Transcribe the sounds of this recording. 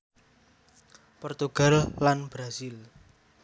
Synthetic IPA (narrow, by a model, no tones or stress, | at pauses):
pɔrt̪uɡ̥a̤lːanb̥ɾasɪl